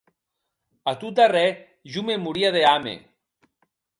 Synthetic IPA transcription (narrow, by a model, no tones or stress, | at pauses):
at̪ut̪arɛ | ʒumemuɾiaðeamḛ